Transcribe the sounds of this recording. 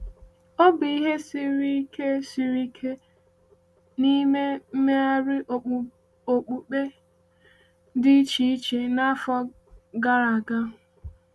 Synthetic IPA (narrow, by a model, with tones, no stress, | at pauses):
o˦bɪ˨i˦ɦe˦si˦ɾi˦ke˦si˨ɾi˦kʰe˦ | ni˦me˦m̩˦me˦a˦ɾɪ˦˨ | o˨k͡pu˨k͡pe˦ | dɪ˦t͡ʃi˨˦i˦t͡ʃe˨na˦fɔ˦ | ɡa˦ɾa˨ɡa˦˨